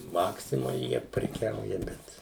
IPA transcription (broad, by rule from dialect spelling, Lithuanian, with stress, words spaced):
ˈmɑːksʲɪmoːj ˈjiɛ pʲrʲɛˈkʲɛʊjɛ ˈbʲɛt